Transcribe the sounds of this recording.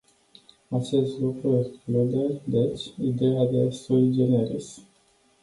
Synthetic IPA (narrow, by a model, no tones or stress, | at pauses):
at͡ʃe̞st̪lukɾueksklud̪ed̪et͡ʃʲid̪ejad̪esolid͡ʒeneɾḭs